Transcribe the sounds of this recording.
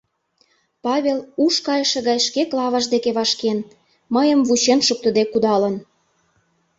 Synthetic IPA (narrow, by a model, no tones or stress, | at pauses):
pɑβʲeluʃkɑjə̆ʃĕɣɑjʃkeklɑβɑʒd̪ekeβɑʃken | məjə̆mvuɕenʃuk̚t̪ə̆d̪ekud̪ɑlə̆n